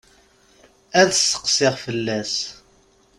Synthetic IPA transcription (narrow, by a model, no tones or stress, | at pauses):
æðsə̥qsɪʁfəlːæs